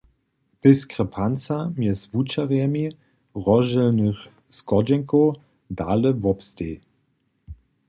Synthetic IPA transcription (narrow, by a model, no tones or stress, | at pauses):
d̥ɪskʁɛpʰant͡samjɛsvut͡ʃaʁjɛmi | ʁɔʒɛlnəx | skɔd͡ʒɛŋkow | dalɛvɔpsteː